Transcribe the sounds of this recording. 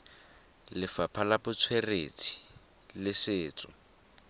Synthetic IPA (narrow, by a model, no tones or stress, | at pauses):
lɪfapʰalabʊt͡sʰwerḛt͡sʰi̥ | lɪsɪːt͡sʼʊ̰